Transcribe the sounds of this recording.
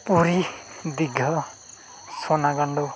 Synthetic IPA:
puɾid̪iɡʱʌ | sɔnaɡʌɳɖɔ

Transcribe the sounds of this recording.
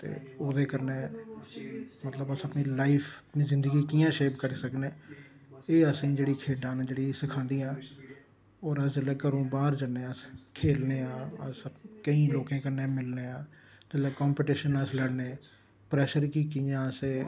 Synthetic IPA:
t̪ḛːoːd̪eːkəɾneː | mət̪ləbəsəpnilaːɪpʰəpniːzɪ̃nd̪əɡiːkijãːʃeːpkəɾiːsəkneː | eːəsẽːd͡ʒeːɽiːkʰeːɖãːñːd͡ʒeːɽisɪkʰãːnd̪iːãː | ɔːɾəsd͡ʒəleːkəɾõːbaːɾd͡ʒəneːaskʰeːlneːãːəskəĩːloːkẽːkəɾnẽːmɪlneːãː | d͡ʒəleːkɔːmpɪʈɪʃənəsləɽneː | pɾɛːʃəɾkiːkiːãːəseː

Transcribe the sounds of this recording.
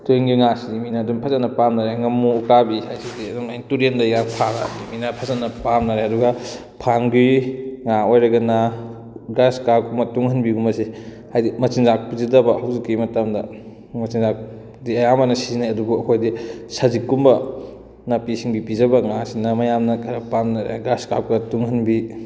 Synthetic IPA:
tuiŋɡiŋasidiminɐːdumpʰɐzɐnɐpamnɐɾeŋɐmuukabihajsidiɐduŋajŋtuɾendajɡanpʰanadiminɐpʰɐzɐnɐpamnɐɾeɐduɡɐ | pʰaŋbiŋaojɾɐɡɐnɐ | ɡaskakumɐtuŋhɐnbiɡumɐsi | hajdimɐt͡ʃiŋzak̚pizidɐbɐhawzikːimɐtamdɐ | mɐt͡ʃiŋzak̚ | diɐjamanɐsizinajɐduɡuɐkʰojdisɐzikːumbɐ | nɐpisiŋbipizɐbɐŋasinɐmɐjamnɐkʰɐɾɐpamnɐɾḛɡaskakɐtuŋhɐnbi

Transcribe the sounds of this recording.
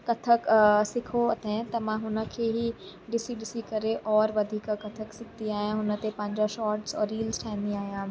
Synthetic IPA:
kɐt̪ʰəksɪkʰot̪ẽt̪ɐmãɦʊnə̆kʰeɦi | ɖɪsiɖɪsikɐɾeʔɔːɾʋɐd̪ʱiːkkɐt̪ʰəksɪk̚ʰt̪iaːɦijãɦʊnə̆t̪epɐ̃ɲd͡ʑəʃɔːʈzɔːɾːiːlzʈʰaːɪnd̪iaːɦijãː

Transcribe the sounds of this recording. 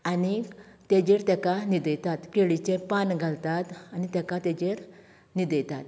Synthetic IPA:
ani | t̪ed͡ʑeɾt̪ɛkanid̪əjt̪at̪keɭit͡ɕẽpanɡʱalt̪at̪anit̪ɛ̃kat̪ed͡ʑeɾ | nid̪əjt̪at̪

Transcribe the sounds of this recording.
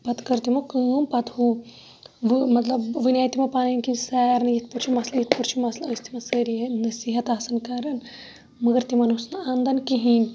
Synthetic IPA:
pɐt̪kɐɾt̪imɐkɨpɐt̪hu | ʋmɐt̪lɐbʋinʲaːjt̪imɐpaːninkisɛːɾnjit̪̚ʰpuɾt͡ʃʰimɐslɐjit̪ʰpuɾt͡ʃʰimɐslɐst̪ʰimɐsəɾiɦenɐsiːɦɐt̪aːsɐnkɐɾɐn | mɐɡɐɾt̪imɐnusnɐand̪ɐnkiɦiːnʲ

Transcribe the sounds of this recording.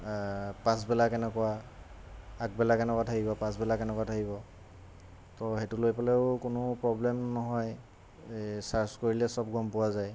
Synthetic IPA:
pãsbɛlakɛnɛkɔa | ak̚bɛlakɛnɛkwatʰakibɔpãs̬bɛlakɛnɛkwatʰakibɔ | tɔxetulojpalɛʊkʊnʊpɹɔblɛmnɔɦɔj | saɹskoɹilɛsɔb̚ɡɔmpʊwazaj

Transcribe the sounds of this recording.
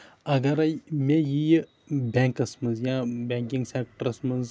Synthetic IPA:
ɐɡɐɾɐjmejij | bẽːŋkɐsmɐnzjãbẽːkiŋɡsek̚ʈəɾɐsmɐnz

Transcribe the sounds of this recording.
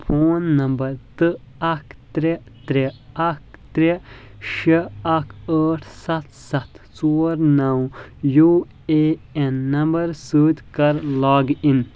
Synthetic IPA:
pʰoːnːɐmbɐɾt̪ɨ | ɐkʰt̪ɾe | t̪ɾeɐk̚t̪ɾe | ʃeɐkʰəːʈʰsɐt̪sɐt̪t͡soːɾnɐwjuː | eenːɐmbɐɾsɨːt̪kɐɾlaːɡin

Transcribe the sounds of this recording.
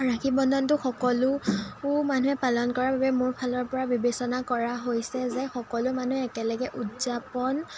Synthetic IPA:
ɹakʰibɔndʱɔntʊxɔkɔlʊ | manuɦɛpalɔnkɔɹababɛmʊɹpʰalɔɹpɔɹabibesɔnakɔɹaɦojsɛzɛxɔkɔlʊmanuɛɛkɛlɛɡɛʔutzapɔn

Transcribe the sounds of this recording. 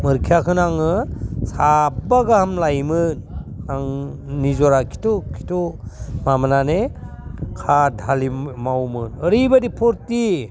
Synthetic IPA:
mɯɾkʰijakʰɯnaŋɯsʰabaɡahamlajmɯnaŋnizɔɾakʰi̥tukʰi̥tumamanane | kʰadʱalimawmɯnɯɾibadipʰoɾti

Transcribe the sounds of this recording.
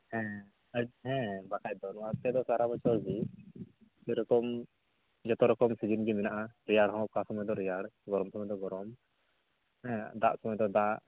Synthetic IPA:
hɛ̃ | əd͡ʒɦɛ̃bakʰac̚d̪ɔnɔwat̪ɛd̪ɔsaɾabɔt͡ʃɔɾd͡ʒi | d͡ʒɛɾɔkɔm | d͡ʒɔt̪ɔɾɔkɔmsid͡ʒinɡiminaʔaɾijaɽɦɔ̃ɔp̚kasɔmɔjd̪ɔɾijaɽɡɔɾɔmsɔmɔjd̪ɔɡɔɾɔm | hɛ̃d̪a̰ʔsɔmɔjd̪ɔd̪aʔ

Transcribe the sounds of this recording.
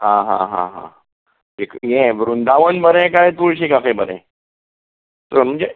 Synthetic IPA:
ɦãɦã̰ɦã̰ɦã̰ | ekjɛ̃ʋɾund̪aʋənbəɾɛ̃kajt̪uɭɕikakebəɾɛ̰̃ | t̪əɾm̤əɳd͡ʑe

